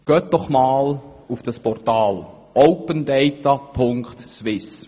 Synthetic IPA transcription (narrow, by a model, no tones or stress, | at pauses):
ɡ̥œːt̚d̥ɔχmaːl | ufd̥ɑspɔrtɑːl | ʔɔʊpəndɛɪtapʰʊŋkt̪sʋɪs